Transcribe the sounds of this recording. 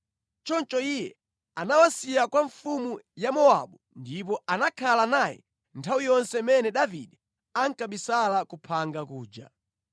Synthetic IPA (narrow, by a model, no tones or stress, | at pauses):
t͡ʃɔnt͡ʃɔijɛ | anawasijakwaɱfumujamɔa̰ɓu | ndip̬ɔanakʰalanaːjɛ̰ | ntʰawijɔnsɛmɛnɛɗavḭɗɛ | aŋ̩kaɓisalakupʰaŋɡakuːd͡ʒa̰